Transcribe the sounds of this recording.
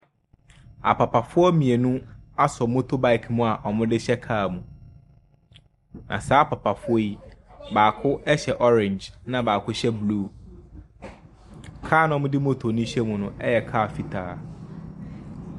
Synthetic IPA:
a̰˨pʰa˨pʰa˨fʊ˦ɔ˦mĩ˨e˨nũ˦a˦sɔ˨mʊ̃˦tʰʊ˦ba˦ɪ˨kʰmũ˦˨a˨ʔɔ˨mʊ̃˦dɪ˦ɕɛ˦kʰaː˦˨mũ˨ | nʔã̰˨saː˨˦pʰa˨pʰa˨fʊ˦ɔ˦ji˦baː˨kʰʊ˦ɛ˦ɕɛ˨ʔɔ˦ɾɪ̃˨ɲd͡ʒnã˨baː˨kʰʊ˦ɕɛ˦bluː˦ | kʰaː˦˨nɔ̃˦mʊ̃˦dɪ˦mo˦tʰo˨nĩ˦ɕɛ˦mũ˨nʊ̃˦ɛ˦jɛ˨kʰa˦˨fi˨tʰaː˨˦

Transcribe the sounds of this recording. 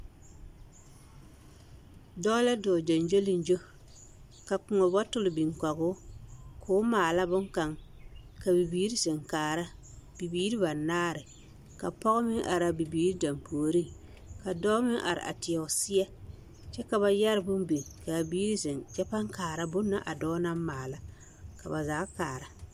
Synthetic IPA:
dɔ˦la˦dɔː˨d͡ʒa˨nd͡ʒo˦lɪ˦n˦d͡ʒo˦ | ka˨kʊ˨ŋɔ˨bɔ˦tʊ˦lɪ˨bi˨ŋka˨ɡʊ˦kʰʊː˦maː˨la˦bʊ˦ŋka˨ŋka˨bi˨biː˦ɾɪ˦sɪ˨ŋkaː˨ɾa˦ | b̥i˨biː˦ɾɪ˦ba˨naː˦ɾɪ˨ | ka˨pɔ˦ɣʊ˦mɪ˦ŋʔa̰˨ɾa˨bi˨biː˨˦ɾi˦da˨mpʰoː˨ɾi˦ | ka˨dɔː˦mɪ˦ŋʔa̰˨ɾɪ̰˨ʔa̰˨tɪ˨ɛ˨ʊ˨sɪ˦a˦ | t͡ʃɛ˦ka˨ba˨ja˦ɾɪ˦bʊ˦m˦be˨ka˨biː˦ɾi˦sɪ˨ŋt͡ʃɛ˦pa˦ŋkaː˨ɾa˦bʊ˦nːa˦ʔa˨dɔː˦na˦m˦maː˨la˦ | ka˨ba˨zaː˨˦kaː˨ɾa˨

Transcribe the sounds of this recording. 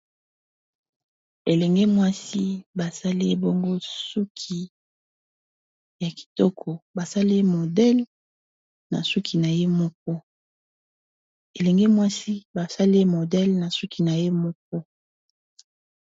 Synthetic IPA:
e˨lɛ˨ŋɡe˦mwa˦si˦ba˨sa˦li˦e˦bo˦ŋɡo˦su˦kʰi˨ | ja˨ki̥˨tɔ˦kʰɔ˨ba˨sa˦li˦e˦mo˨dɛ˦l | na̰˨su˦kʰi˨na˨je˦mo˦k̚ɔ˦ | e˨lɛ˨ŋɡe˦mwa˦si˦ba˨sa˦li˦e˦mo˨dɛ˦lna˨su˦ki˨na˨je˦mo˦k̚ɔ˦

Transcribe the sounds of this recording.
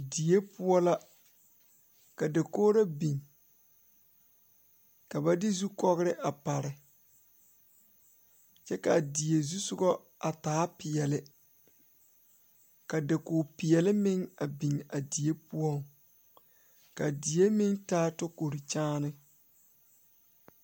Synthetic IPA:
di˨je˦pʊ˦ɔ˦la˦ | ka˨da˨koː˦ɾa˦bi˨ŋ | ka˨ba˦dɪ˦zu˦kɔ˦ɣɪ˦ɾɪ˦ʔa˨pa˨ɾɪ˨ | t͡ʃɛ˦ka˨di˨je˨zu˦sʊ˦ɡɔ˦ | a˨taː˨˦pɪ˨jɛ˨lɪ˦ | ka˨dɪ˨kʊː˨pɪ˨ɛ˨lɪ˦mɪ˦ŋa˨bi˨ŋa˨di˨e˦pu˦ɔ˦ŋ | ka˨di˨je˦mɪ˦ŋtaː˦tɔ˦ko˨ɾi˨t͡ʃaː˦nɪ˦

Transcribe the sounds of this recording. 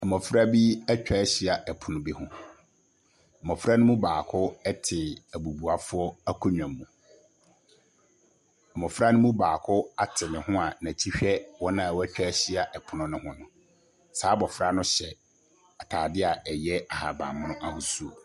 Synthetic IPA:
ɛ˨mɔ̃˨fɾa˦bi˦æ˦t͡ɕᶣa˦ɕi˦a˨ʔɛ˨pʰʊ˨nʊ̃˨bi˦hʊ̃˦˨ | mɔ̃˨fɾa˦nʊ̃˦mũ˦baː˨kʰʊ˦ɛ˦tʰɪ˨æ˨bu˨bu˨a˨fʊ˦ɔ˦æ˦kʰɔ˦ɲᶣ˨ã˨mːũ˨ | ɛ˨mɔ̃˨fɾa˦nʊ̃˦mũ˦baː˨kʰʊ˦a˨tʰɪ˨nɪ̃˨hʊ̃˦a˨nã˨tʰi˦ɕᶣɛ˦wɔ˦nã˨wɔ˦æ˦t͡ɕᶣa˦ɕi˦a˨ʔɛ˨pʰʊ˨nʊ̃˦nʊ̃˦hʊ̃˦nʊ̃˨ | saː˨˦bɔ˨fɾa˦nʊ̃˦ɕɛ˨ | a˨tʰaː˨dɪ˦a˨ɛ˨jɛ˦a˨ha˨bã̰ː˨mʊ̃˦nʊ̃˦ʔa˦hʊ˨˦su˦˨

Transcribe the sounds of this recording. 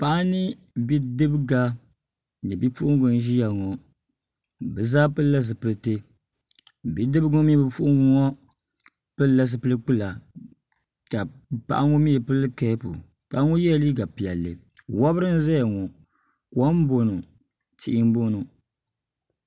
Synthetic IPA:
pa˦ʔa˦nɨ˦ | bi˦dɨ˦bɡa˦˨ | nɨ˨bi˦pu˦ʔʊ˦ŋɡʊ˦nʒi˦ja˨ŋɔ˨ | bɨ˨zaː˦pɨ˦la˦s̬ɨ˨pɨ˨lte˦ | bi˦dɨ˦bɡɔ˦m˦bɨ˨pu˦ʔʊ˦ŋɡu˦ŋɔ˦ | pɨ˦la˦s̬ɨ˨pɨ˦lɨ˦k͡pɨ˦la˨ | ka˨pa̰˦ʔa˦ŋɔ˦mi˦ɛ˨pɨ˦lkɛ˦po̰˨ | pa˨ʔa˦ŋɔ˦jɛ˦˨˦li˦ɡa˨pi˨ɛ˨lːɨ˨wa˦bɾɨ˦n˦za˦ja˨ŋɔ˨ | kɔ˦m˦bo˨no˨ | t͡ʃi˦ʔɪ˦m˦bo˦no˨

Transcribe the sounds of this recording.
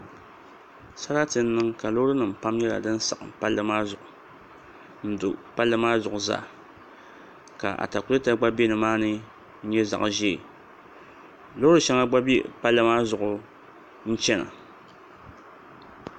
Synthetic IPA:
sa˦ɾa˦tɨ˨n̩˦nːɨ˦ŋka˨lo˦ɾɨ˦nɨ˨m̩˨pa˦mɲɛ˦la̰˨dɨ˦n˦sa̰˨ʔpa˦lːɨ˦maː˦zʊ˨ʔʊ˨ | n̩˦dʊ˨pa˦lːɨ˦maː˦zʊ˨ʔʊ˨za̰ː˦˨ | ka̰˨ʔa̰˨ta˨kʊ˦lɨ˦ta˦ɡ͡ba˦be˦nɨ˨maː˦nɨ˦ | n̩˦ɲɛ˦za̰˨ʔʒeː˦˨ | lo˦ɾɨ˦ʃa˦ŋa˦ɡ͡ba˦be˦˨pa˦lːɨ˦maː˦zʊ˨ʔʊ˨ | n̩˦t͡ʃɛ˦na̰˨

